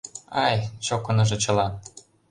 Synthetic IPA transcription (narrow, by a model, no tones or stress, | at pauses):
ɑjt͡ɕokːɤ̆nɤ̆ʒɤ̆t͡ɕɤ̆lɑn